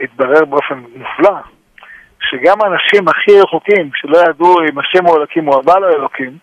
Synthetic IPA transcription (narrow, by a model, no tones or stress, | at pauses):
it̪̚baʁe̞ʁbeo̞fe̞nmufla | ʃeɡamanaʃimaχiʁeχukimʃe̞lo̞jad̪uimaʃemoelakimoabaloelo̞kim